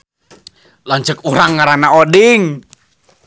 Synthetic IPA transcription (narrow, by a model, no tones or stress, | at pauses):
laɲt͡ʃəkuɾaŋːaɾanaɔdɪŋ